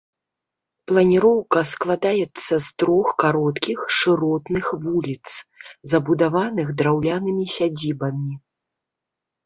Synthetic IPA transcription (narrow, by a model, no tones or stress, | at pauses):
plˠɐnʲiɾɔwkɐsklˠad̪ajɛt̪sːɐst̪ɾɔxkaɾɔt̪kʲixʂɨɾɔt̪nɨxvulʲit̪szɐbud̪avanɨɣd̪ɾawlʲanɨmʲisʲad͡zʲibɐmʲi